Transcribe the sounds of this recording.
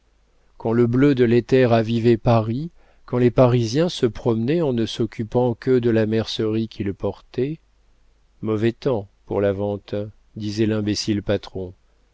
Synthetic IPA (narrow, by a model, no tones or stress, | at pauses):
kɑ̃ləblød̪əlɛt̪ɛʁavivepaʁi | kɑ̃lepaʁizjɛ̃səpχɔmnɛɑ̃nəsɔkʲypɑ̃kəd̪əlamɛʁsəʁikʲʰilpɔʁt̪ɛ | mɔvɛt̪ɑ̃pṵʁlavɑ̃t̪ | d̪izɛlɛ̃besilpat̪χɔ̃